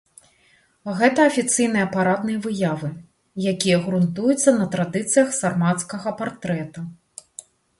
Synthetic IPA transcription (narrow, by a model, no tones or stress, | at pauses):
ɣɛt̪ɐːfʲit̪sɨjn̪ɨjɐpaɾad̪nɨjɐvɨjavɨ | jakʲijɐɣɾunt̪ujut̪sːɐnɐt̪ɾad̪ɨt̪sɨjɐxsarmat̪skɐɣɐpart̪ɾɛt̪ɐ